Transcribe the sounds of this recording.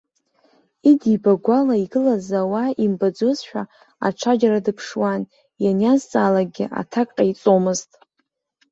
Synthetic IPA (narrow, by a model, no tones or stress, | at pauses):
idibaɡʷalaiɡɨlazawaimbad͡zozʃᶣa | a̰ʈ͡ʂʷʰad͡ʒaɾadɨpʰʂwan | janjazt͡sʼaːlaɡʲɪ̰ʔa̰tʰakʼqʼait͡sʼo̞mɨztʼ